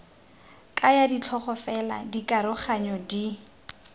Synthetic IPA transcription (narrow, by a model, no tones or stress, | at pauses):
kʼajadit͡ɬʰɔχɔfɛla̰dikʼaɾʊχaɲɔdi